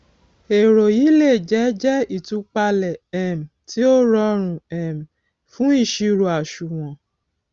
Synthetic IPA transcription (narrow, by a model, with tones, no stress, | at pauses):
e˨ɾo˨ji˨˦le˦˨d͡ʒɛ˨˦d͡ʒɛ˦i˦˨tũ˧˦k͡pa˧lɛ˨ɛ˨m̩˨ti˨˦o˦ɾɔ˧˦ɾ̃ũ˨ɛ˨m̩˨ | fũ˦i˦˨ʃi˧ɾo˨a˨ʃu˨w̃ɔ̃˨